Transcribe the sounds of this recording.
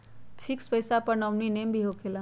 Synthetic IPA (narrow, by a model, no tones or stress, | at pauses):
t̪ʰikspəjsapəɾnəʋninembʱiɦokʰelã